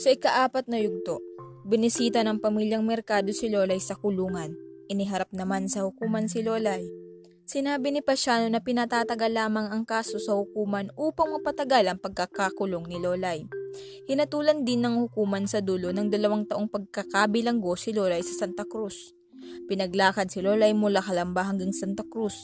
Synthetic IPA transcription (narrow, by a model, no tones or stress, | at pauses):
sɐʔɪkɐʔaːpɐt̪̚nɐjʊɡ̚t̪o̞ʔbɪnɪsiːt̪ɐnɐŋpɐmiljɐŋmɛɾkaːd̪o̞sɪlo̞ːlɐjsɐkʊluːŋɐnʔɪnɪɦɐɾap̚nɐmansɐhʊkuːmɐnsɪlolɐj | sɪnaːbɪnɪpɐʃaːno̞nɐpɪnɐt̪aːt̪ɐɡɐlːaːmɐŋɐŋkaːso̞sɐhʊkuːmɐnuːpɐŋmɐpɐt̪ɐɡalɐŋpɐɡ̚kɐkakʊloŋnɪlo̞ːlɐj | hɪnɐt̪uːlɐnd̪ɪnːɐŋhʊkuːmɐnsɐd̪ulo̞nɐŋd̪ɐlɐwaŋt̪ɐʔo̞ŋpɐɡ̚kɐkaːbɪlɐŋɡo̞sɪloːlɐjsɐsant̪ɐkɾus | pɪnɐɡlaːkɐd̪̚sɪlo̞ːlɐjmʊlakɐlɐmbaɦɐŋɡaŋsant̪ɐkɾus